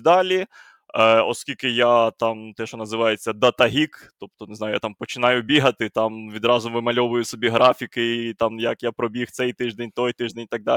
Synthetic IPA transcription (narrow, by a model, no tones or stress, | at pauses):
d̪ɑlʲi | ɔ̰skʲilʲkɪjat̪ɑmt̪ɛʃɔnɐzɪʋɑjet͡sʲːɐd̪ɐt̪ɐɦʲik | t̪ɔp̚t̪ɔnɪzɑjʊja̰t̪ɑmpɔt͡ʃɪnɑjʊbʲiɦɐt̪ɪt̪ɑmʋʲid̪ɾɑzʊʋɪmɐlʲɔʋʊjʊsɔbʲiɦɾɑfʲikɪit̪ɑmjɐkjapɾɔbʲixt̪sɛjt̪ɪʒd̪enʲt̪ɔjt̪ɪʒd̪enʲit̪ɐɡ̚d̪a